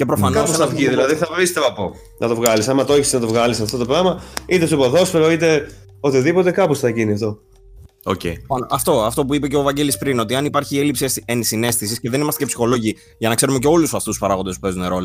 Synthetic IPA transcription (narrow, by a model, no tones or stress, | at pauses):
ce̞pɾo̞fɐnkɐpoɐfiðilɐðiθɐpist̪evɐpo | nɐt̪o̞vɣɐlisɐmɐt̪oeçisnɐt̪o̞vɣɐlisɐft̪o̞t̪o̞pɾɐmɐit̪esupoðo̞sfeɣɐit̪e̞ | ot̪iðipo̞t̪e̞kɐposθɐʝiniɐft̪o̞ | o̰cḛɐɐft̪o̞ɐft̪o̞p̬uipe̞ce̞ovɐɲɟe̞lispɾino̞t̪iɐnipɐɾçie̞lipsisensine̞st̪isisceðe̞nimɐst̪ecepsi̥xo̞lo̞ʝi | ʝɐnɐkse̞ɾume̞ceo̞lusɐft̪uspɐɾɐɣond̪esu̥pe̞zuneɾo̞le